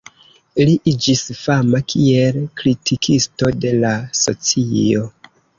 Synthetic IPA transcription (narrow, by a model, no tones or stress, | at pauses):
liʔid͡ʒisfamakʰie̞lkɾitʰikʰisto̞de̞laso̞̰t͡sio̞